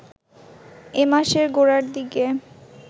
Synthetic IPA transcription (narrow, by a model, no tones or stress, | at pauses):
emaʃeɾɡoɾaɾd̪ike